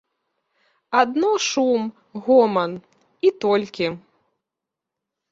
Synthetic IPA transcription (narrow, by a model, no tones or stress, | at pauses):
ad̪nɔʂum | ɣɔmɐn | it̪ɔlʲkʲi